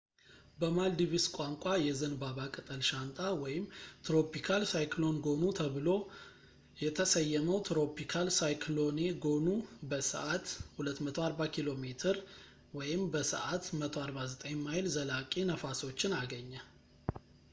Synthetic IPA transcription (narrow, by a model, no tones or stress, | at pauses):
bəmald̪iβiskʼaŋkʷʼajɛzɨnbaβakʼɨt̪ʼəlʃant̪ʼawɔjɪmt̪ɾo̞pikʰalsajklo̞nɡonut̪ʰəβɨlo̞ | jɛt̪ʰəsəjːɛməwt̪ɾo̞pikʰalsajkʰlo̞neɡo̞nubəsə̰ʔat̪hulət̪ːmət̪ʰoaɾbakʰilo̞met̪ʰɨɾ | wɔjɪmbəsə̰ʔat̪mət̪ʰoaɾbazət̪ʼəɲmajlzəlakʼenəfaso̞t͡ʃːɪnaɡəɲːə